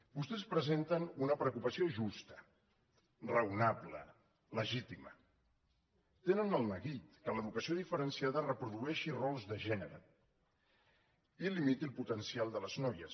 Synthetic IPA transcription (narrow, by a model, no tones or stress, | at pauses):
bust̪ɛspɾəzent̪ənunəpɾəkupəsioʒust̪ə̥ | rəwnaβlə̰ | ləʒit̪imə̰ | t̪enənəlˠnəɣit̪kələðukəsioðifəɾənsiaðərəpɾuðuɛʃirɔlˠzðəʒɛnəɾə | ilimit̪ilˠput̪ənsialˠd̪ələznɔjəs